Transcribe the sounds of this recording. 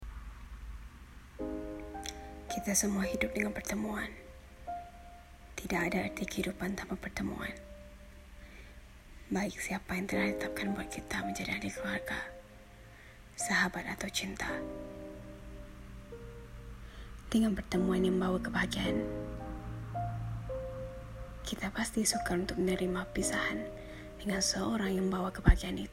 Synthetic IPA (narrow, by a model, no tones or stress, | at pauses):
kit̪asəmuahidʊp̚dəŋanpərt̪əmuan | t̪idakadaart̪ikəhidupant̪amapərt̪əmṵa̰n | baɪksiapajaŋt̪əlait̪ət̪ap̚kanbuat̪̚kʰit̪aməɲd͡ʒadiadikəluarɡa | saɦabat̪at̪awt͡ʃint̪a | d̥əŋanpərt̪əmuanjaŋbawakəbaɡian | kit̪apast̪isukalunt̪ʊk̚mənəɾimapisahan | dəŋansəoɾaŋjaŋmbawakəbaɡianit̪